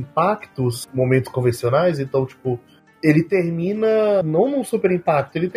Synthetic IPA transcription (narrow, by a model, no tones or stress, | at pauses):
pakt̪ʊsmomẽnt̪ʊ̥skõvẽsionajz̬ẽnt̪ɐ̃w̃t͡ʃi̥pʊ | elɪt̪eɾmĩnɐnɐ̃w̃nũsupeɾĩpak̚t̪ʊelɪt̪